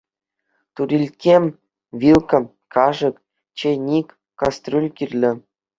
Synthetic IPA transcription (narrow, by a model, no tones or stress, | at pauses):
t̪uɾʲilʲkʲemʲ | ʋʲilˠkʲɤ̆m | kʰɑʐɤ̆k | t͡ɕenʲikʲ | kɑst̪rʲulʲkʲirʲlʲɘ̆